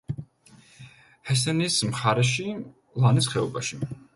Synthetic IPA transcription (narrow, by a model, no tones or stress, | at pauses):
hɛs̬ɛnismχaɾɛʃi | lˠanisχɛɔbaʃi